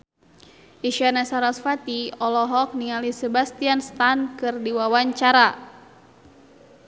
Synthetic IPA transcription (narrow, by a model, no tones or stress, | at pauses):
ʔiʃanasaɾasfat̪iɔlɔɦɔk̚niŋalisɛbast̪ianst̪ankɨrdiwawaɲt͡ʃaɾa